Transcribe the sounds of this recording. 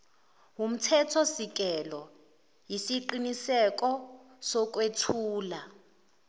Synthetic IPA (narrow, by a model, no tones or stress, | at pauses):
wum̩tʰɛtʰɔsik̬ʼɛlɔ | jisiǃinisɛk̬ʼɔ | sɔk̬ʼwetʰuːla